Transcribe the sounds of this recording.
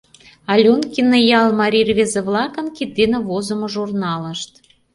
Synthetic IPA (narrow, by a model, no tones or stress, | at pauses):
ɑlʲonkʲinə̆jɑlˠmɑɾʲirβʲezĕβlɑkə̆nkit̪inəβozŏmoʒurnɑlə̆ʃt̪